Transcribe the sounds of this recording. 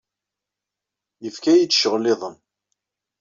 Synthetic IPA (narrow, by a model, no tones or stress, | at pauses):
jəfkæjit͡sːʃəʁlːɪðˤən